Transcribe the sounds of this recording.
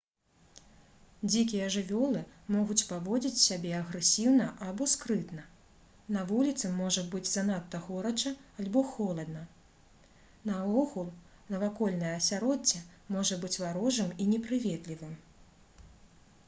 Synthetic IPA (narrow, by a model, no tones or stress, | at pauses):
d͡zʲikʲijɐʐɨvʲɔlˠɨmɔɣut͡sʲpavɔd͡zʲit͡sʲsʲabʲɛɐɣɾɛsʲiwnɐʔabɔskɾɨt̪nɐ | nɐvulʲit̪sɨmːɔʐɐbɨd͡zʲzanat̪ːɐɣɔɾɐt͡ʂɐːlʲbɔxɔlˠɐd̪nɐ | nɐvɔɣulˠ | nɐvakɔlʲnɐjɐːsʲaɾɔd͡zʲɐmɔʐɐbɨt͡sʲvaɾɔʐɨminʲɛpɾɨvʲɛt̪lʲivɨm